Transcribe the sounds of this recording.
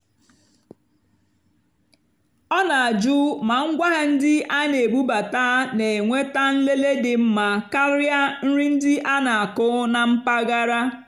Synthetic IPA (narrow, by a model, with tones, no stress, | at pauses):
ɔ˦na˨a˨d͡ʒu˦ma˨ŋ̩˦ɡʷa˦ɦa˨n̩˦dɪ˦ʔa˦ne˨ɡ͡bu˦ba˨taː˦ne˨e˨ŋʷe˦ta˦n̩˦le˦le˦dɪ˨m̩˦ma˨ka˦ɾja˦n̩˦ɾi˦n̩˦dɪ˦ʔa˦na˨a˨kʊ˦na˨m̩˦pa˦ɡa˦ɾa˦